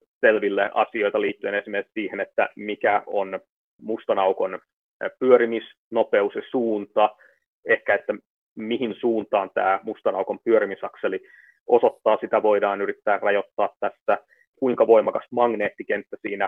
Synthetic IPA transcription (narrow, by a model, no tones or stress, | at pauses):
selʋilːeʔɑ̰sio̞it̪ɑliːt̪ːyenesimere̥ksiːhenet̪ːæ̰mikæon | must̪ɑnɑukon | pyøɾimis | nopeusesuːnt̪ɑ | ehkæet̪ːæ | mihinsuːnt̪ɑːnt̪æːmust̪ɑnɑukompyøɾimisɑkseli | ʔosot̪ːɑːsit̪æʋo̞idɑːnyɾit̪ːæːrrɑjot̪ːɑːt̪tæsːæ | kuiŋkɑʋoimɑkɑst̪mɑŋneːt̪ːikent̪ːæsiːnæ